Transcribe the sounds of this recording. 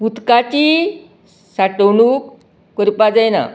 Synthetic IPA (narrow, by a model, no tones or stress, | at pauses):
put̪kat͡ɕi | saʈəwnuːkː | əɾpad͡zajna̰